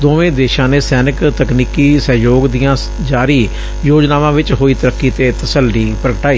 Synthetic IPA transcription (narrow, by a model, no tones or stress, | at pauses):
d̪oːʋẽːd̪eːʃãːneːsɛːnɪkt̪əkniːkiːsəːjoːɡd̪ɪjãː | d͡ʒaːɾiː | joːd͡ʒnaːʋãːʋɪt͡ʃɦoːiːt̪əɾəkːiːt̪eːt̪əsəlɖiːpɾəkəʈaːiː